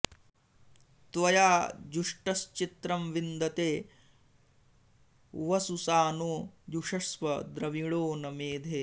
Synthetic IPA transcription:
t̪ʋɐjaːd͡ʒuʂʈɐst͡ʃit̪ɾɐmʋind̪ɐt̪eː | ʋɐsusaːnoːd̪uʂɐsʋɐd̪ɾɐʋiɭoːnɐmeːd̪ʱeː

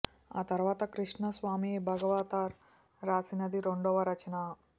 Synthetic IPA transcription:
a̰t̪ɐɾʋaːt̪akɾiʂɳɐsʋaːmiebʱɐɡəʋaːt̪aɾ | ɾaːsinɐd̪iɾoɳɖoʋɐɾɐt͡ɕna

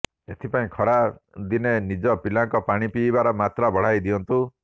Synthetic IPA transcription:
et̪ʰipaĩkʰɔɽad̪inenid͡ʒɔpilaŋkɔpaɽ̃ipibaɾɔmat̪ɾabɔɽ̤ajd̪iɔnt̪u

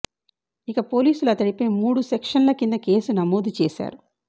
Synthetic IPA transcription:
ikɐpo̞ːliːsuluɐt̪ɐɽipeːmuːɽusekʂɐnlɐkind̪ɐke̞ːsunɐmoːd̪ut͡ʃeːsa̰ːɾu

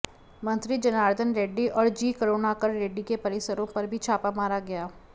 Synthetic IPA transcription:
mɐ̃nt̪ɾid͡ʒɐnaːɾd̪ʱənɾeːɖːiʔɔːɾd͡ʒiːkəɾoːnakəɾɾeːɖːikepɐɾɪsəɾõpɐɾbʱit͡ʃʰaːpamaːɾaɡɐjaː

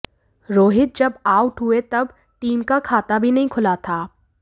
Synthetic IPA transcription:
ɾoːɦɪt̪̚d͡ʒɐbaːʊʈɦʊet̪ɐb | ʈiːmkakʰaːt̪abʱinɐɦĩkʰʊlat̪ʰaː

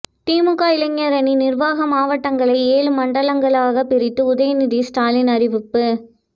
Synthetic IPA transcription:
t̪iːmɯkːaːɪlɐŋːɐɾɐninɪrʋaːɣɐmaːʋɐʈːɐŋɡɐɭɐɪeːɭɯmɐɳɖɐɭɐŋɡɐɭaːɣɐpːɪɾɪt̪ːɯʊðɐjɐnɪðisʈaːlɪnɐɾɪʋɪpːɯ

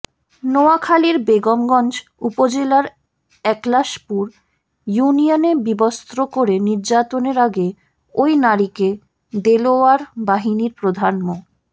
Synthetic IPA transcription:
noakʰaliɾbeɡomɡɔnd͡ʑupod͡ʑelaɾ | ɛklaʃpuɾ | junionebibost̪ɾokoɾeniɾd͡ʑat̪oneɾaɡe | ojnaɾike | d̪eloaɾbaɦiniɾpɾod̪ʱanmo

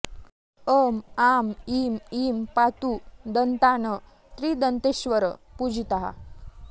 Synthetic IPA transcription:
əmamimimpat̪ud̪ənt̪anə | t̪ɾiːd̪ənt̪eɕʋəɾəpud͡ʑʱit̪aɦa̰

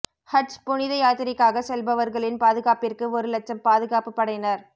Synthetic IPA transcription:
hɐʈspʊɳɪðɐjaːt̪ɪɾɪkːaːɣɐsɛlbɐʋɐɾɣɐɭɪnpaːðɯɣaːpɪrkɯɔɾɯlɐt͡ʃːɐmpaːðɯɣaːpɯpːɐɽɐjnɐɾ

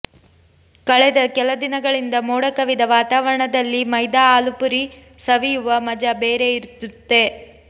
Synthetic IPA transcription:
kɐɭɛd̪ɐkɛlɐd̪inɐɡɐɭind̪ɐmoːɽɐkɐʋid̪ɐʋaːt̪aːʋɐɾɐɳɐd̪ɐlːimɐjd̪aaːlupuɾi | sɐʋijuʋɐmɐd͡ʒɐbeːɾe̞iɾt̪ːut̪ːe̞

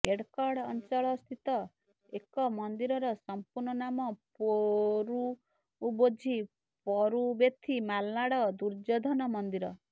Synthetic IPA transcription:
eɽkɔɽɔnt͡ʃɔɭɔst̪ʰit̪ɔ | ekɔmɔnd̪iɾɔɾɔsɔmpuɾɳɔnamɔpoɾuː | bod͡ʒʱi | pɔɾubet̪ʰimalnaɽɔd̪uɾd͡ʒɔd̪ʱɔnɔmɔnd̪iɾɔ

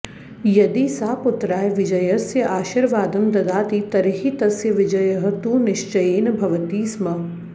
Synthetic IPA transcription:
jɐd̪isaːpʊt̪ɾaːjʋɪd͡ʒɐjɐsjɐʔaːʃiɾʋaːd̪ɐmd̪ɐd̪aːt̪it̪ɐɾɦit̪ɐsjɐʋɪd͡ʒɐjɐɦɐt̪uːnɪʃt͡ʃɐjeːnbʱɐʋɐt̪iːsmɐ

